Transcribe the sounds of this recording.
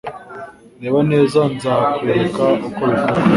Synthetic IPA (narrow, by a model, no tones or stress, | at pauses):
neβaneːzanzakweɾkaukoβifu